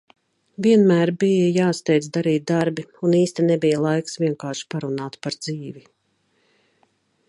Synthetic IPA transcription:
viɛnmæːɾbijəjaːst̪ɛjd̪zd̪aɾiːt̪̚d̪aɾbiuniːst̪ɛnɛbijəlˠajksvʲiɛŋkaːɾʃpaɾunaːt̪paɾd̪ziːvi

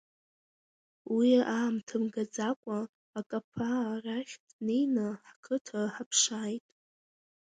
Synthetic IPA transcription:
wiaːmtʰɨmɡad͡zakʷʼaː | kʼapʰaraχʲdnejnaħkʰɨtʰaħapʰʂaːjtʼ

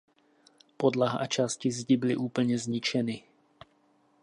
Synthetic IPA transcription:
pɔd̪laɦa̰t͡ʃascizɟibilḭʔuːpl̩ɲɛzɲit͡ʃɛni

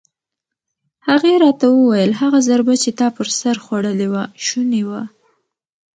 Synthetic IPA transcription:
haɣeɾɑt̪awəwajəlɦaɣazaɾbat͡ʃet̪ɑpəɾsaɾxwaɽəlewaʃunewa

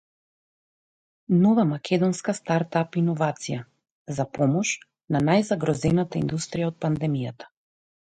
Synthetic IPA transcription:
nɔvamakʲʰɛd̪ɔnskast̪aɾt̪apinɔvat̪sija | zapɔmɔʃ | nanajzaɡɾɔzɛnat̪aind̪ust̪ɾijaɔt̪̚pand̪ɛmijat̪ḁ

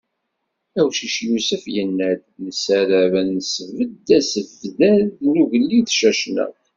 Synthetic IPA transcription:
æwʃiʃjusəfjənːæðnəsæɾævænːəsəvəd̪ːæsəvðæðnuʝəlːiθʃæʃnæ̰

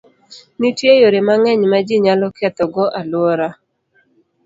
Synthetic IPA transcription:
nitjejoɾɪmaŋɛɲmad͡ʒiɲalɔkɛt̪ɔɡɔʔalwoɾa

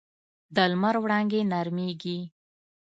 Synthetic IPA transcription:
d̪əlmaɾwɽɑŋɡenaɾmeɡi

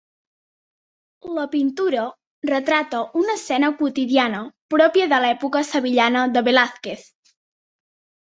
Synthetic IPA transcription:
ləpint̪uɾə | rət̪ɾat̪əʔunəsɛnəkwut̪iðianəpɾɔpjəðəlɛpukəsəβiʎanəðəβelaθkeθ

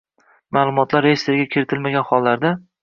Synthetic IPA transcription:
malˠʊmɒt̪laɾːejst̪eɾɡʲakʲʰeɾɪt̪ʰɪlmaɡʲanχɒlˠːaɾd̪a

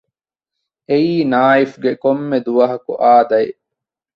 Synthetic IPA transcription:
eiːnaːifɡekomːed̪uʋɐɦɐkuʔaːd̪ɐe

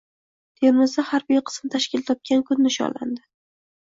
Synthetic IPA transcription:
t̪ʰeɾmɪzd̪ahaɾbijqʰɨ̥smt̪ʰaʃkʲɪlt̪ʰɒp̚kʲankʰʊnːɪʃɒ̰la̰nd̪ɪ

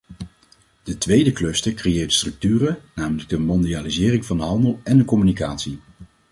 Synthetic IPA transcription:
d̥ətʋejdəklɵstəkrejɪːɹtstrɵk̚tyːrənaːmələɡ̚dəmɔndiaːlizɪːrɪŋvɑndəɦɑndəlˠɛndəkɔmynikaːtsi

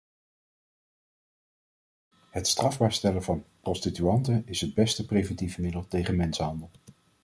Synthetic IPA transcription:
ɦətstrɑvbaːɹstɛləvɑnprɔstityɑntənɪsɦəd̚bɛstəprejvɛntivəmɪdəlˠtejχənmɛnsəɦɑndəlˠ

